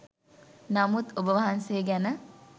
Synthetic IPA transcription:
namut̪obəʋɐɦanseːɡænə

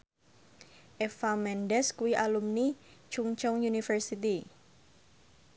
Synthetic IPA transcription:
ʔefamɛndɛskuwiʔalumnit͡ʃuŋt͡ʃɔŋjunifərsit̪i

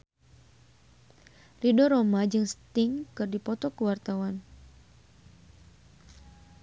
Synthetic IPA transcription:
ridɔɾomad͡ʒɨŋst̪ɪŋkɨrdipɔt̪ɔkəwart̪awan

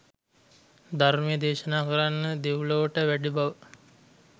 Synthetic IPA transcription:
d̪ʱaɾmijəd̪eːʃənaːkəɾanːəd̪eʋloʋəʈəʋæɖibaʋə

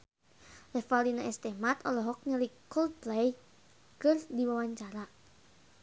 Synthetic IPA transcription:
lɛfalinaɛst̪ɛmat̪ɔlɔɦɔk̚ɲəlikkɔld̚plɛj | kɨrdiwawaɲt͡ʃaɾa

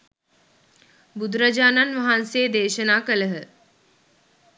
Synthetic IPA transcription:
bud̪ɾɐd͡ʒaːnanʋɐɦanseːd̪eːʃənaːkələɦə

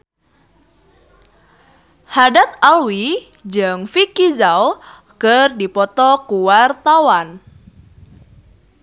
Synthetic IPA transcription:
hadat̪̚alwi | d͡ʒɨŋfikizaw | kɨrdipɔt̪ɔkuwart̪awan

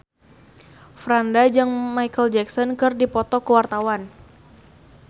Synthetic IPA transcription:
fɾandad͡ʒɨŋmajkəld͡ʒɛksɔnkɨrdipɔt̪ɔkəwart̪awan

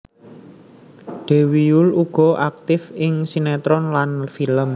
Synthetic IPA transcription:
ɖ̪̥e̤wijʊluɡ̥ɔ̤ʔak̚t̪ɪfɪŋsinɛt̪ɾɔnlanfiləm

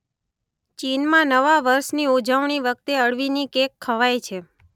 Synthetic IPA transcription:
t͡ʃinmãnəʋaʋəɾʃniod͡ʒaʋɳ̃iʋək̚t̪eəɭʋinikekʰːəʋajt͡ʃʰe

